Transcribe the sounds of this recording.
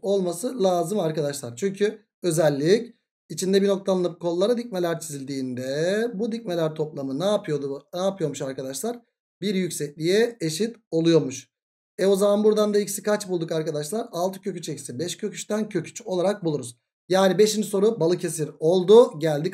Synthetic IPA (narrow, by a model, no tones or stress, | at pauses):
o̞lˠmasɯlʲˠaːzɯmaɾkad̪aʃlˠaɾt͡ʃʰyɲcʰy | ø̞zɛlʲːic | it͡ʃʰind̪ɛbino̞k̚t̪ʰalˠɯnɯp̚kʰo̞nˠːaɾad̪ic̚me̞lʲæɾt͡ʃʰizilʲd̪iːnd̪ɛbud̪ic̚me̞lʲæɾt̪ʰo̞plˠamɯnaːpʰɯjod̪unaːpɯjo̞ɾmuʃaɾkad̪aʃlˠaɾ | biɾjycsɛclʲijɛeʃit̪o̞lˠujo̞ɾmuʃ | ɛo̞zamanbuɾd̪and̪aici̥sikʰat͡ʃbulˠd̪ukaɾkad̪aʃlˠaɾalˠt̪ʰɯ̥cʰø̞cyt͡ʃecisibɛʃcʰø̞cʰy̥ʃt̪æncʰøcʰy̥t͡ʃo̞lˠaɾak̚bulˠuɾuz̥ | jaːnibeʃinso̞ɾubalˠɯcʰe̞siɾo̞lˠd̪uɟælʲd̪i